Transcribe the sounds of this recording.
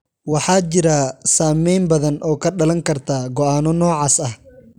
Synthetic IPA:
wɑħɑːt͡ʃɪɾaːsaːmɛjmbɐðɐnʔɔːkʰɐɖɐlɐŋkʰɐrt̪ʰaːɡɔaːnɔnɔːʕɑːsɐh

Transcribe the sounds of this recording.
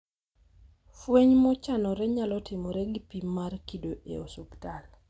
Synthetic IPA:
fweɲmɔt͡ʃanɔɾɛɲalɔtɪmoɾɛɡipimmːarkidoʔḛosuktal

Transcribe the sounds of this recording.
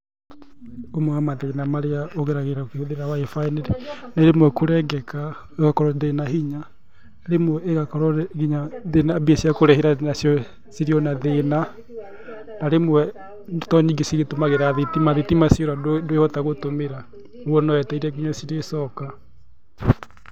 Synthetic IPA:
omwamaðenamaɾeaoɣeɾaɣeɾaokeoðeɾawaefaeneɾeneɾemwɛkoɾɛɡɛka | eɣakɔɾɔðenaɦiɲa | ɾemwɛeɣakɔɾɔɣiɲaðenabiesjakoɾɛheɾanasjɔ | siɾiɔnaðena | naɾemwɛ | ntɔɲiŋɡesiɣetomaɣeɾaðetimaðetimasjɔɾadondoeɔtaɣotomeɾa | uɔnɔɛtɛiɾɛɡiɲɔsiɾesɔka

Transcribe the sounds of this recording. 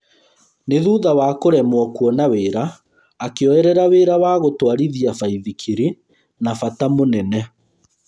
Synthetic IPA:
neðuðawaːkoɾɛmwɔkwɔnaweɾaː | keɔɛɾɛɾaweːɾawaɣotwaɾiðiafaiðikʰiɾi | nafatamonɛnɛ

